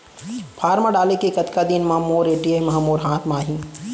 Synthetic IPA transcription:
pʰaːɾmãɖaːlekekɐt̪kad̪inmɐɦmoːɾeːʈiemɐɦɐmoːɾɦãːt̪ʰmaːɦĩ

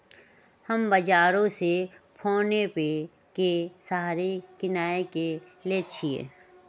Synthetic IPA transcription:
həmbɐd͡ʒaːɾõsepʰoːnepe | kesaɦɾikɪnaːekeleːt͡ʃʰiḛː

